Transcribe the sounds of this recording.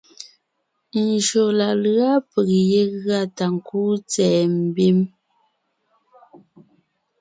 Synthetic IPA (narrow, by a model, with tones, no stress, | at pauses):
n̩˨ʃo˨la˨lɰa˦pə˨k̚je˦ɣɰa˦˨ta˨ŋ̩˨kuː˦t͡sɛː˨m̩˨bi˦m